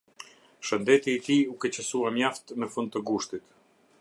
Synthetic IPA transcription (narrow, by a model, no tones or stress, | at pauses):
ʃənd̪ɛt̪iːt̪iukɛt͡ɕəsuamjaft̪məfund̪̚t̪əɡuʃt̪it̪